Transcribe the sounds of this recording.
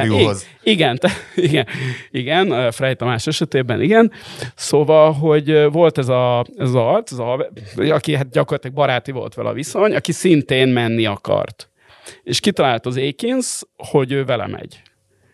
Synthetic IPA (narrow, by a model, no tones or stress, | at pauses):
i | iɡɛnt̪ɛiɡɛniɡɛnøfɾɛjt̪ɒmaːʃɛʃɛt̪eːbɛnʔiɡɛnsoːvɒlɦo̞ɟøvo̞lt̪ɛzɒɛzzɒrt̪sɛzɒɒvɒkiɦat̪̚ɟɒkorlɒt̪ilɛɡ̚bɒɾaːt̪ivo̞̰lt̪ʋɛ̰lʔɒ̰viso̞ɲɒkisint̪eːnmɛnːiɒkɒ̰rt̪ | eːʃkit̪ɒlaːlt̪ɒzeːkinsho̞ɟøːvɛlɛ̰mɛ̰ɟ̥